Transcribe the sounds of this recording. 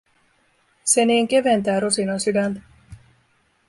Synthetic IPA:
seniːŋkeʋent̪æːɾusinosydænt̪

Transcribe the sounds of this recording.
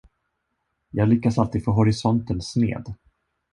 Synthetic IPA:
jɑːɡlʏkːasalt̪iːd̪̥foːɦɔɾɪsɔnt̪ənsnḛːd̪

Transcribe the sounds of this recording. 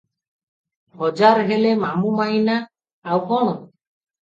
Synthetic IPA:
bɔd͡ʒaɾɦelemamumajnaː | wkɔɽ̃ɔ

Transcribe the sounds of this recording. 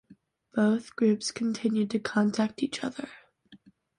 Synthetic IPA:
b̥oʊθɡ̥ɹʉpskʰn̩tʰɪ̃njʉd̚tʰɨkʰɑ̃ntʰæk̚tit͡ʃʌ̰ðə˞

